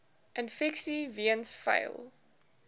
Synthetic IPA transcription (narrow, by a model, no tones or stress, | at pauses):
ʔə̃nfɛksiviə̃nsfɐ̰ɪlˠ